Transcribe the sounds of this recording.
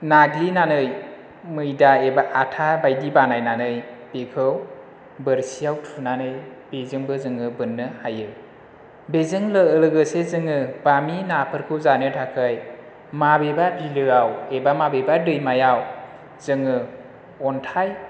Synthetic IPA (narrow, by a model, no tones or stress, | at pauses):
naɡlinanɯj | mɯjdaebaʔatʰabajdibanajnanɯjpekʰɯw | bəɾsijawtʰunanɯjb̥ezɯŋbɯzɯŋɯbɯnːɯhajɯ | bezɯŋlɯɯlɯɡɯsezɯŋɯbaminapʰɯɾkʰɯwzanɯtʰakʰɯj | mabebabilɯawebamabebadɯjmajaw | zɯŋɯ | ɔntʰaj